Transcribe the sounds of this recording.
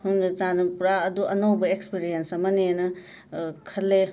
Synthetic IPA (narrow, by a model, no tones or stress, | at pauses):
hunt͡ʃanɐpuɾaɐduʔɐnowbɐekspiɾijensɐmɐnenɐ | kʰɐlːe